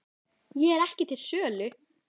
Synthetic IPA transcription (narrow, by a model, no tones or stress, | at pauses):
jɛɛɾɛhcɪt̪ʰɪlsœːlʏ